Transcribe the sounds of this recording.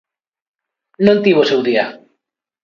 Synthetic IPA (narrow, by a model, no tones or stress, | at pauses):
nõnt̪iβosewðia